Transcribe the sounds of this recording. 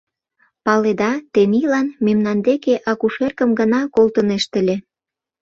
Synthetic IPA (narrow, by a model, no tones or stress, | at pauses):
pɑled̪ɑt̪enilɑnmemnɑnd̪ekeʔɑkuʃerkə̆mɡənɑkolt̪əneʃt̪ə̆lʲe